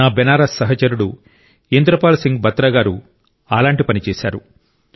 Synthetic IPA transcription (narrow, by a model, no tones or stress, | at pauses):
aːbɛnaːɾɐsːɐɦɐt͡ʃɐɾuɽu | end̪ɾɐpaːlsiŋɡbɐt̪ːɾɐːɡaːɾu | aːlaːɳʈipɐnit͡ʃɛːsaːɾu